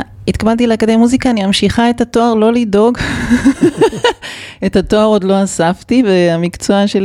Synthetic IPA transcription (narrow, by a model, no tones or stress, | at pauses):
itkabalt̬ilakad̪emuzikaːnimamʃiχae̞thato̞aʁlo̞lido̞ɡ | ethato̞aʁo̞dlo̞asaftiveamikt͡soaʃel